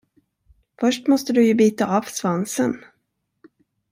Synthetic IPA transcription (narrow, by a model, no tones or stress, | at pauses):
fœʂʈmɔst̪əd̪ɵjɵbiːt̪aʔɑːvsvansən